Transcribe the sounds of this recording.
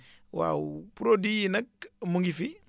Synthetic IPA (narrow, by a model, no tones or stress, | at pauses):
wa̰upuɾodijinak̚muŋɡifi